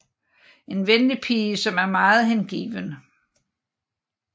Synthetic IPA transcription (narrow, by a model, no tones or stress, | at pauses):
e̝nʋenlipʰiːəsɒ̽mæɐmɑ̈ːð̞̩ˠhenɡ̥ḭːʋənə